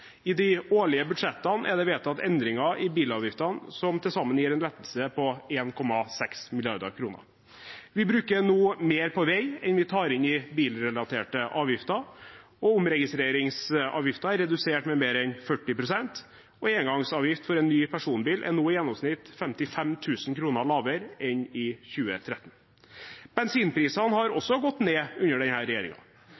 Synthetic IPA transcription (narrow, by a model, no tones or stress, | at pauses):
ɪd̪ɪoːɭɪəbʉd̪ʂɛt̪ːɑnʔæ̰ɖ̪ɛʋeːt̪ɑt̪ɛnd̪ɾɪŋɑʔɪbiːlɑːʋjɪft̪ɑnsɔmt̪ʰɪlsɑmːənjiːɾɛnlɛt̪ːəl̩səpɔeːnkʰɔmːɑsɛksmɪlɪɑ̰ɾd̪ə̰ɾkʰɾuːnə̰ɾ | ʋɪbɾʉːkənuːmeːɾpʰɔʋeɪɛnʋɪt̪ʰɑːɾɪnɪbiːlɾɛlɑt̪ʰeːʈəʔɑːʋjɪft̪ɑ | ɔʊmɾɛɡɪst̪ɾeːɾɪŋsɑ̰ːʋjɪft̪ɑæɾɛd̪ʉseːʈmɛmeːɾɛnfœʈːɪpɾʊsɛnt̪ | ɔeːŋɡɑŋsɑːʋjɪft̪fɔɾɛnːyːpʰæʂuːnbiːlʔɛ̰nuːjɛnːɔmsnɪt̪fɛmt̪ɪfɛmt̪ʰʉːsnkʰɾuːnəɭɑːʋəɾɛnɪçʉːət̪ʰɾɛt̪ːn̩ | b̥ɛnsiːnpɾiːsɑnhɑɾɔsːɔɡɔt̪ːneːʉnːəɖɛnhæːɾɛjeːɾɪ̰ŋɑ̰